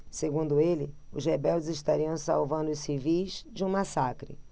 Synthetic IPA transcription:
seɡũnd̪ʊelɪʊzhebɛwd͡ʒɪzɪʃt̪aɾiɐ̃w̃sa̰wvɐ̃nd̪ʊsivijzd͡ʒɪũmasakɾɪ̰

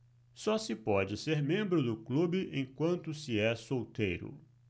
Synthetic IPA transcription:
sɔsɪpɔd͡ʒɪseɾmẽmbɾʊd̪ʊklubɪʔẽj̃kwɐ̃nt̪ʊsɪɛsowt̪ejɾʊ̰

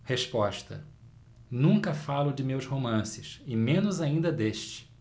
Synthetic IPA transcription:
heʃpɔʃt̪ɐ̰ | nũkɐfalʊd͡ʒɪmewzhomɐ̃sɪʃɪmẽnʊzaĩnd̪ɐd̪eʃt͡ʃɪ̥

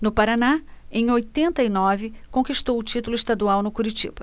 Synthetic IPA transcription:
nʊpaɾanaẽj̃ojt̪ẽnt̪ɐinɔvɪkõkiʃt̪owʊt͡ʃit̪ulʊɪʃt̪ad̪uawnʊkuɾit͡ʃḭb̥ɐ

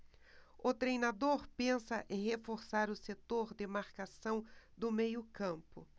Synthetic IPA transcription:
ʊt̪ɾejnad̪oɾpẽsɐʔẽj̃ɦefoɾsaɾʊset̪oɾd̪ɪmaɾkasɐ̃w̃d̪ʊmejʊkɐ̃mpʊ̰

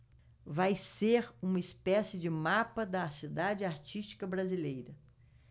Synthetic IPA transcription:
vajseɾũmɐispɛsɪd͡ʒɪmapɐd̪ɐsid̪ad͡ʒɪaɾt͡ʃist͡ʃi̥kɐbɾazilejɾɐ

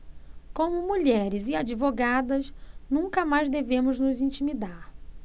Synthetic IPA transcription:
kõmʊmuʎɛɾɪzɪad͡ʒivoɡad̪ɐsnũŋkɐmajzd̪evẽmʊznʊzĩt͡ʃimid̪aɾ

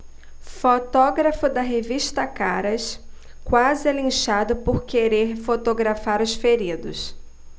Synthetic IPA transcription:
fot̪ɔɡɾɐfʊd̪ɐɦeviʃt̪ɐkaɾɐs | kwazɪɛlĩʃad̪ʊpoɾkeɾeɾfot̪oɡɾafaɾʊsfeɾid̪ʊ̰s

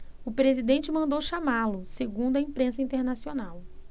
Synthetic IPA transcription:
ʊpɾezid̪ẽnt͡ʃɪmɐ̃nd̪owʃamalʊseɡũd̪ʊɐĩpɾẽsɐĩt̪eɾnasionaw

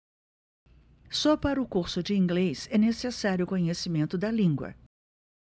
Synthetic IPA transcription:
sɔpaɾɐʊkuɾsʊd͡ʒɪĩŋɡlesɛnesesaɾjʊkõɲesimẽnt̪ʊd̪ɐlĩŋɡwɐ̰

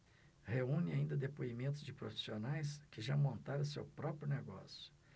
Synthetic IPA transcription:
heũnɪaĩnd̪ɐd̪epoimẽnt̪ʊzd͡ʒɪpɾofi̥sionajskɪʒamõnt̪aɾɐ̃sḛwpɾɔpɾjʊneɡɔ̰sjʊ̥

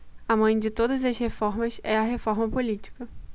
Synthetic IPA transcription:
ɐmɐ̃j̃d͡ʒɪt̪od̪ɐzɐzhefɔɾmɐsɛɐɦefɔɾmɐpolit͡ʃi̥kɐ

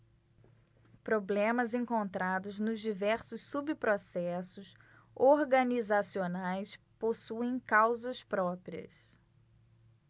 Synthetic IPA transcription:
pɾoblẽmɐzẽŋkõnt̪ɾad̪ʊznʊzd͡ʒivɛɾsʊsːubpɾosɛsʊs | oɾɡɐnizasionajs | posuẽj̃kawzɐspɾɔpɾiɐ̰s

